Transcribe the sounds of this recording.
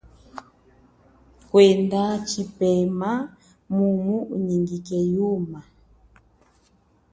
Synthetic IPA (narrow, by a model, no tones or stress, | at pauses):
kwɛndat͡ʃipɛma | mumuuɲiŋɡikɛjuma